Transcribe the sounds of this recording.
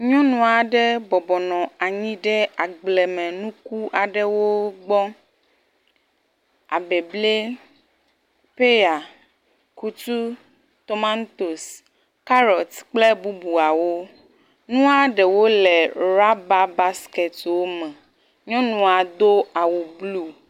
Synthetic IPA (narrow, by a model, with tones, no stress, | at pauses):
ɲɔ̃˦nũ˨a˨ɖɛ˦bɔ˨bɔ˨nɔ̃˨a˨ɲĩ˦ɖɛ˦a˨ɡ͡blɛ˨mɛ̃˨nũ˦ku˦ʔa˨ɖɛ˨wo˦ɡ͡bɔ˦ | a˨bɛ˨ble˦ | pe˦ja˨ | ku˦t̪u˦ | t̪o˨ma˦nt̪o˨s | ka˦ɾɔ˨t̪k͡ple˦bu˦bu˨a˨wo˦ | nũ˦a˦ɖɛ˨wo˦lɛ˨ɾa˦ba˦ba˦skɛ˨t̪wo˦mɛ̃˨ | ɲɔ̃˦nũ˦˨a˨d̪o˦a˨wo˨blu˦